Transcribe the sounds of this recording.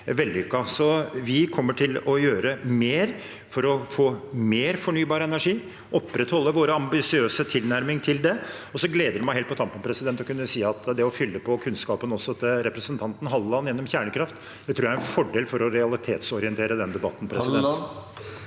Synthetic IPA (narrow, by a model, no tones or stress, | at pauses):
ʋɛld̪ɪʏkːɑsɔʋɪkʰɔmːəʈʰɪlɔjøːɾəmeːɾ | fɔɾɔfoːmeːɾfɔɳyːbɑːɾəɛnæʂiː | ʔɔpːɾɛt̪hɔlːəʋoːɾəɑmbɪsɪøːsət̪ʰɪlnæɾmɪŋt̪ʰɪld̪ɛɔsɔɡleːd̪əɾd̪ɛmæɪɦelt̪pʰɔt̪ʰɑmpːənpʰɾɛsɪd̪ɛnt̪ːɔkʉnːəsiːɑt̪d̪ɛɔfʏlːəpʰɔkʰʉnskɑːpənɔsːɔɑt̪əɾɛpɾəsənt̪ʰɑnt̪n̩ɦɑlːəɑnjɛnːɔmçæːɳəkʰɾɑft̪ | d̪̥ɛt̪ʰɾuːjæɾɛnfɔɖeːlfɔɾɔɾɛɑlɪt̪ʰeːt̪sɔɾɪɛnt̪ʰeːɾəd̪ɛnd̪ɛbɑ̰t̪ːn̩pʰɾɛsd̪ɛ